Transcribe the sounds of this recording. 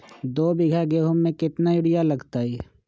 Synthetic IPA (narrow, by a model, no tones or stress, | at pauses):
d̪oːbɪɡʱaɡeːɦʊmːẽkɪt̪najʊɽɪjalɐɡt̪aːɦɛː